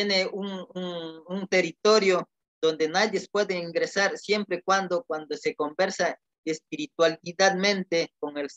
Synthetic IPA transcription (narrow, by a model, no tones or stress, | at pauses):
jeneuŋuŋunt̪erit̪o̞ɾjo | d̪̥o̞nd̪e̞naðjespwe̞ðeiŋɡɾesaɾsje̞mpɾekwand̪okwand̪ose̞ko̞mbe̞ɾsa | espiɾit̪waliðad̪mẽ̞nt̪ekoŋels